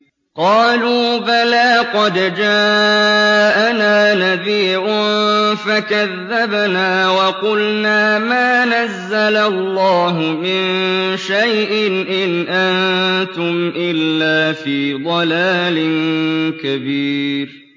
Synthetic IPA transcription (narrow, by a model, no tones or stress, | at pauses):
qɑːluːbalaːqɑd̪d͡ʒaː | ʔanaːnabiːʕʊnfakaðːabnaːwɑqʊlnaːmaːnazːalalˤːɑːɦʊmɪnʃajʔɪnʔɪnʔant̪ʊmʔɪlːaːfiːd̪ˤɑlaːlɪnkabiːɾ